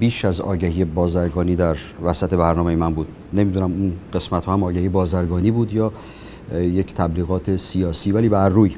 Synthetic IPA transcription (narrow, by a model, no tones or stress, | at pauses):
biːʃæzɒ̰ːɟæhiːjebɒːzæɾɡɒːniːd̪æɾ | væsæt̪ʰe̞bæɾnɒːme̞jemænbuːd̪ | ne̞mid̪unæmunɢ̥e̞smæt̪hɒːhæmɒːɟæhiːebɒːzæɾɡɒːniːbuːd̪jɒː | jecʰt̪ʰæbliːɣɒːt̪ʰe̞sijɒːsiːvæliːbæɾːuːj